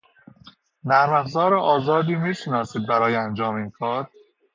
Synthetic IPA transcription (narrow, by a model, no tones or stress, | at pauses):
næɾmæfzɒːɾeʔɒːzɒːd̪iːmiːʃenɒːsiːd̪̚bæɾɒːjeænd͡ʒɒːminkʰɒːɾ